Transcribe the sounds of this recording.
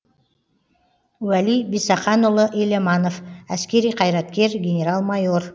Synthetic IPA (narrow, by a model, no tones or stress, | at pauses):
wælijbisɑχɑnulˠəʔelemɑno̞fæskʲe̞ɾijqʰɑjɾɑt̪̚kʲe̞ɾɡʲe̞nʲe̞ɾɑlˠmɑjo̞r